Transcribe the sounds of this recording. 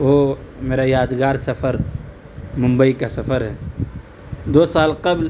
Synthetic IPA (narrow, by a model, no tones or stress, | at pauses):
ʋoːmeːɾajaːd̪ɡaːɾsɐfəɾ | mʊ̃mbəikasɐfəɾɦɛː | d̪oːsaːlqɐbl